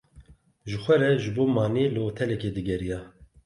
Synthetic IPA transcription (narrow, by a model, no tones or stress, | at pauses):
ʒɨxʷɛɾɛʒɨboːmɑːneːlɨoːt̪ʰɛlɛkeːd̪ɨɡɛɾijaː